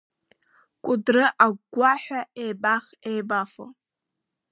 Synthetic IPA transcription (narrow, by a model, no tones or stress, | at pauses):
kʷʼʊdrɨʔaɡɡʷaħʷᶣaʔejbaχejbafo̰